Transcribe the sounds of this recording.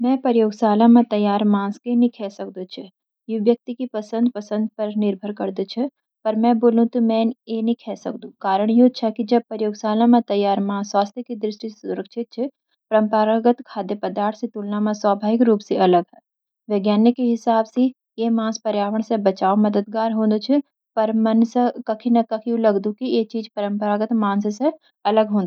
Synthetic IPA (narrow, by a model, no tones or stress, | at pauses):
mɛ̃ːpɐɾjoːɡsaːlãmẽt̪ɐjaːɾmãːskenĩkʰɛːsɐk̚d̪ot͡ʃʰu | jebjək̚t̪ikipɐsə̃nd̪̚pɐsə̃nd̪̚pɐɾnɪɾbʱəɾkɐɾd̪ot͡ʃʰɛ | pɐɾmɛ̃boːlũt̪umɛ̃ːnenĩkʰɛːsɐ̰k̚d̪ũkaːɾəɽ̃jot͡ʃʰakid͡ʒɐb̚pːɐɾjoːɡsaːlãmẽt̪ɐjaːɾmãːswaːst̪ʰjəkid̪ɾɪʃʈisʊɾəkʃʰɪt̪̚t͡ʃʰi | pɐɾəmpəɾaɡət̪kʰaːd̪jepɐd̪aːɾt̪ʰsit̪uːlnamãswaːbʱaːɦɪkɾuːpsiɐləɡɦɛː | ʋeɡjaːnəkːeɦɪsaːbsi | jemãːnspɐɾjaːʋəɽ̃sebɐt͡ʃaːomɐd̪əd̪̚ɡaːɾɦõːnd̪ot͡ʃʰɪ | pɐɾmɐnsɐkɐkʰinɐkɐkʰiũlɐɡd̪ũkijet͡ʃiːd͡ʒpɐɾə̃mpəɾaːɡət̪mãːnsse | ɐləɡɦõːnd̪